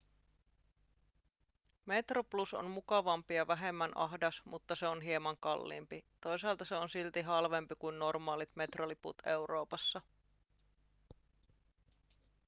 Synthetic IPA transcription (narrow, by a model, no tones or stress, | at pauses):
me̞t̪ropluso̰nmukɑʋɑmpijɑʋæɦe̞mːænʔɑɦdɑsmut̪ːɑse̞o̞nɦiemɑŋkɑlːḭːmpit̪o̞jsɑːlt̪ɑse̞o̞nsilt̪iɦɑlʋe̞mpikujnːo̞rmɑːlit̪me̞t̪ro̞lipṵt̪e̞wɾo̞ːpɑsːɑ